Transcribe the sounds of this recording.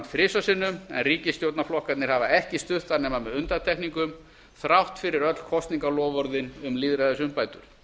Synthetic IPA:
fɾɪsasɪnːʏmɛ̰nriːcɪst̪jowt̪naflɔhkat̪nɪɾ̥havaɛhcɪst̪ʏht̪anɛːmamɛðʏnt̪at̪ʰɛkniŋkʏm | θɾawht̪fɪɾɪɾœt̪l̥kʰɔst̪niŋkalɔːvɔɾðɪnʏmlɪːðɾaðasʏmpaːjt̪ʏɾ̥

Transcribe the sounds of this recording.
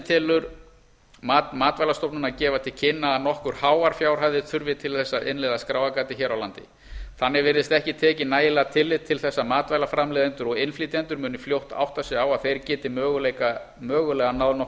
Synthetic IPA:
t̪ʰɛːlʏɾ | mat̪maːt̪vajlast̪ɔpnʏnacɛːvat̪ʰɪlcʰɪnːaːnɔhkʏɾ̥haːwaɾ̥fjaːwr̥ajðɪt̪ʰʏɾvɪt̪ʰɪlθɛsːaʔɪnlɛːðaskɾaːwakaːt̪ɪçɛːɾawlant̪ɪ̰ | θanːɪɾvɛːɾðɪst̪ɛhcɪt̪ʰɛːcɪnaːjɪlɛɣt̪ʰɪlːɪðt̪ʰɪlθɛsːamaːt̪vaːjlafɾamlɛːðɪnt̪ʏɾɔɣɪnflit̪ɛnt̪ʏɾmʏːnʏfljowht̪a̰wht̪asɛawaðθejɾcɛːt̪ɪmœːɣʏlejka | mœːɣʏlɛːɣanaðnɔ

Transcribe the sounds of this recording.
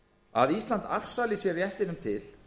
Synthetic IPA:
a̰ðislant̪a̰fsalɪsjɛɾjɛht̪ɪnʏmt̪ʰɪl

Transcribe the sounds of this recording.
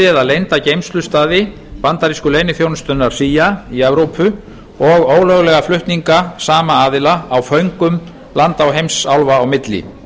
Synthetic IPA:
ɪɛðalejnt̪acejmst̪lʏst̪aːðɪ | pant̪aɾiskʏlejnɪθjownst̪œnːaɾ̥siːjaiɛvɾowpʰʏ | ɔɣoːwlœɣlɛɣaflʏht̪niŋkasaːmaaːðɪlaːwfœɥŋkʏm | lant̪awɦejmsawlvaːwmɪt̪lɪ̰

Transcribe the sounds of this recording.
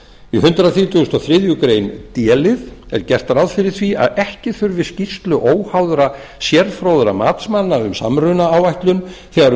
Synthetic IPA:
ihʏnt̪ɾaθiːt̪ʰʏɣʏst̪awθɾɪðjʏkɾejnt̪jɛːlɪðɛ̰ɾ̥cɛr̥t̪aɾaðfɪɾɪɾ̥θvia̰ðɛhcɪθʏɾvɪscist̪lʏʔoːwhawðɾa | sjɛɾfɾowðɾamaːt̪smanːaʏmsa̰mːrʏnaawajht̪lʏnθɛɣaɾ

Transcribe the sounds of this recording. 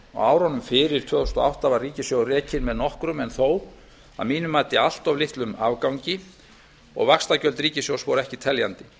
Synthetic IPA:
ɔ̰aːwɾɔnʏmfɪɾɪɾ̥t̪ʰœːðust̪ɔa̰wht̪avariːcɪsjowrɛːcɪnmɛðnɔhkɾʏmɛnθow | a̰ðmiːnʏmaːt̪ɪal̥t̪ɔvlɪht̪lʏmavkawɲcɪ | ɔ̰ɣvakst̪acœlt̪ɾiːcɪsjowsvɔɾɛhcɪt̪ʰɛljant̪ɪ

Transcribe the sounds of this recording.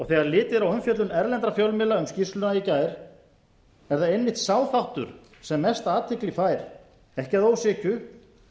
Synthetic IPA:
ɔɣθɛːɣaɾlɪːt̪ɪðɾawʏmfjœt̪lʏnɛɾlɛnt̪ɾafjœwlmɪlaʏmscist̪lʏnaicaːjɾ̥ | ɛɾθaðejnvɪht̪saːwθawht̪ʏ̰ɾ̥ | sɛmːɛst̪aːt̪ʰɪklifaːjɾ | ɛhcaðoːwsɪːcʏ

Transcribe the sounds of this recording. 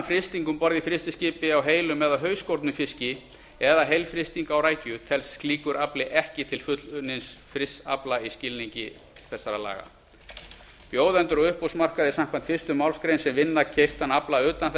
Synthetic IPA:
fɾɪst̪iŋkʏmpɔɾðɪfɾɪst̪ɪscɪːpɪawɦeːjlʏmːɛðawɦœːɥskowɾt̪nʏfɪscɪ | ɛðaɦejlfɾɪst̪iŋkawɾaːjcʏt̪ʰɛlskliːkʏɾaplɪʔɛhcɪt̪ʰɪlfʏt̪lʏnɪnsfɾɪsa̰plaiscɪlniɲcɪ̰ | θɛsːaɾala̰ːɣa̰ | pjoːwðɛnt̪ʏɾɔɣʏhpowsmar̥kaðɪsam̥kʰan̥t̪fɪst̪ʏmawlskɾejnsɛmvɪnːacʰejft̪anaplaʏːt̪anθ

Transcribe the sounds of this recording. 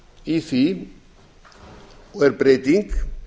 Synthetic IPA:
ifi | weɾpɾet̪iŋk

